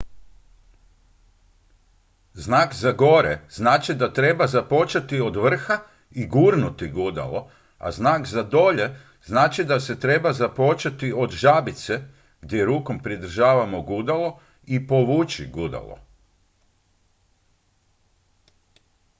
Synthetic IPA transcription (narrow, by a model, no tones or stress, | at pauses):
znaːkzaɡo̞ɾḛznaːt͡ʃid̪at̪ɾe̞bazapo̞t͡ʃat̪iod̪ʋr̩xa | iɡuːɾnut̪iɡud̪a̰lo̞ | a̰znaːkzad̪o̞ʎe̞ | znaːt͡ʃid̪ase̞t̪ɾe̞bazapo̞t͡ʃat̪io̞d̪ʒabit̪se̞ | ɡ̥d̪ʲjeɾuːko̞mpɾid̪r̩ʒaːʋamoɡud̪alo̞ | ipo̞ʋut͡ʃiɡud̪a̰lo̰